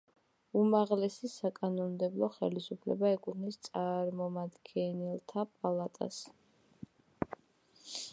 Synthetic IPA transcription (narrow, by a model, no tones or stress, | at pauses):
umaʁlɛsisakʼanɔnd̪ɛblˠɔχɛlisupʰlɛ̰baɛkʼut̪ʰnist̪sʼaɾmɔmad̪ɡɛnilˠt̪ʰapʼalˠat̪ʼa̰s